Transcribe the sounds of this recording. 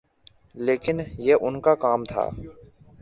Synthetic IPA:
leːkɪnjeʔʊnkakaːmt̪ʰa̰ː

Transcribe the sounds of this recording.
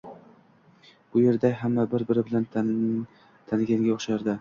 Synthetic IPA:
ʊje̞ɾd̪aɦamːabɪɾbɪɾɪbɪlan | t̪ʰanɪɡʲaŋɡʲaɒχʃaɾd̪ɪ

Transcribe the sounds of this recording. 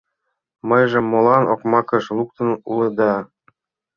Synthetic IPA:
mɤjʒɤ̆mːolˠɑnʔo̰kmɑkɤ̆ʃlˠuk̚t̪ɤ̆nulɤ̆d̪ɑ

